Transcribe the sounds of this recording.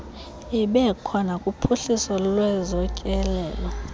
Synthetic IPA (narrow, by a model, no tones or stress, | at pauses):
iɓɛkʰɔnakʼupʰuɬisɔlwɛzɔcʼɛlɛːlɔ